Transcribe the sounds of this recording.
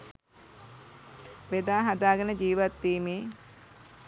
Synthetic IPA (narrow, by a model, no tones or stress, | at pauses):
ʋed̪aːɦad̪aːɡənəd͡ʒiːʋat̪ːiːmeː